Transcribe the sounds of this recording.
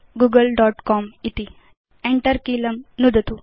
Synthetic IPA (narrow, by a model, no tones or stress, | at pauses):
ɡuɡəlɖɔʈkɔmit̪i | eɳʈəɾkiləmnud̪ʱət̪u